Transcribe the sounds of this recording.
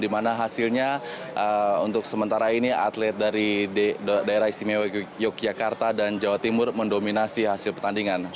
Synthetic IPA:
dimanaɦasilɲaʔəunt̪ʊksəmənt̪aɾainia̰t̪lɛt̪̚daɾi | daeɾahist̪imewjɔk̚d͡ʒakart̪adand͡ʒawat̪imʊrməndominasiɦasɪlpərt̪andiŋan

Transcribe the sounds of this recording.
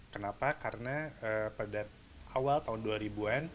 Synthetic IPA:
kənapakaɾənaəpədat̪̚ | awalt̪aɦʊnduaɾibuan

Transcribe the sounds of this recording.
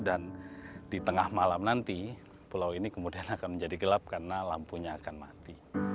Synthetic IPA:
dandit̪əŋahmalamnant̪i | pulawinikəmudianakanməɲd͡ʒadiɡəlap̚karənalampuɲaːkanmat̪i

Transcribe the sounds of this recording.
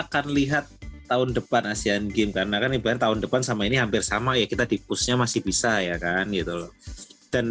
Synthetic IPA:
akanliɦat̪ːaʊndəpanasianɡɪmkarnakanibaart̪aʊndəpansamainiɦampɪrsamajakit̪adipʊsɲamasɪhbisajakanɡit̪ulɔd̥an

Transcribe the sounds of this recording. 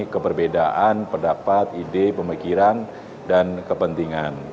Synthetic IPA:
kəbərbedaʔanpədapat̪idepəmikiɾan | dankəpənt̪iŋan

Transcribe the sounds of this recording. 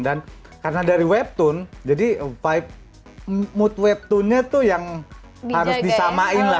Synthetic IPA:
dankarnadaɾiwɛp̚t̪ʊnd͡ʒadifaɪp̚ | mʊt̪̚wɛp̚t̪ʊnɲat̪ʊjaŋ | haɾʊsdisamaɪnla

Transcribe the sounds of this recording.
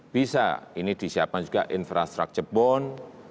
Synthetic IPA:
b̥isa̰inid̪̥i̤siap̚kand͡ʒuɡaʔinfɾast̪ɾa̰k̚t͡ʃəbɔn

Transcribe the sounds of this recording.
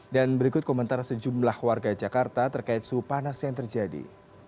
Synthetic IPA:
danbəɾikʊt̪̚komənt̪aɾsəd͡ʒumlahwarɡad͡ʒakart̪at̪ərkaɪt̪̚supanasjaŋt̪ərd͡ʒadḭ

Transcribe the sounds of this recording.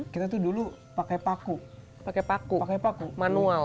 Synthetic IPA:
kit̪at̪̬udulu | pakajpaku | pakɛpakupakajpakumanual

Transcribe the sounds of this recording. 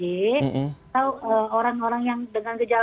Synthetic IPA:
i | t̪auəoɾaŋoɾaŋjaŋdəŋanɡəd͡ʒal

